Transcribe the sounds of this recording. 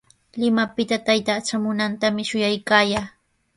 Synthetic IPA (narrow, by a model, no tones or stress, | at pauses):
lɪmapɪt̪at̪ajt̪aːt͡ʃamʊnant̪amɪʃʊjajkaːjaː